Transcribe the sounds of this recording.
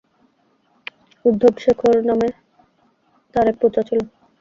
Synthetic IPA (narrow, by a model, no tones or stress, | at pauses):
ud̪ʱːobʃekʰoɾname | t̪aɾepɾot̪at͡ɕʰolo